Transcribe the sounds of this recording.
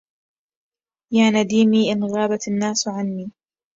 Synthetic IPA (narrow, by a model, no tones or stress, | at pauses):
jaːnad̪iːmiːʔɪnɣaːbat̪anːaːsʕanmiː